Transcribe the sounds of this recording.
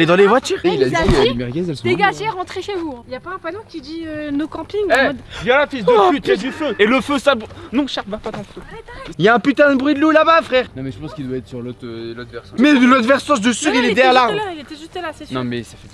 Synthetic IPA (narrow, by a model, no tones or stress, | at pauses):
led̪ɑ̃levwat̪yːʁilazaimɛʁɡɛzɛlsd̪eɡaʒeʁɑ̃t̪χeʃevuɛ̃iljapaɛ̃pad̪ɔ̃kʲid̪iønokɑ̃piŋɛd̪jalafisd̪əfyt̪ɛd̪yføeləføsabnɔ̃ʃapvapat̪ɑ̃t̪foiljaɛ̃pyt̪ɛ̃d̪əbʁɥid̪lulabafχɛʁnɔ̃mɛʒəpɑ̃skild̪waɛt̪χsyʁlot̪ølɔt̪vɛsmɛlot̪vɛʁsɑ̃ʃd̪əsyʁilɛd̪ɛʁjɛʁlaʁilet̪ɛʒyst̪ɛlasenɔ̃mɛsaɛ